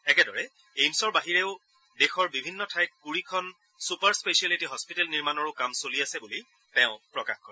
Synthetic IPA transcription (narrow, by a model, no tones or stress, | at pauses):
ɛkɛdɔɹɛ | ejmsɔɹbaɦiɹɛʊ | dexɔɹbibʱinːɔtʰajkkuɹikʰɔn | supaɹspesaletiɦɔspitɛlniɹmanɔɹʊkamsoliasɛbuli | tɛʊ̃pɹɔka̰xkɔɹɛ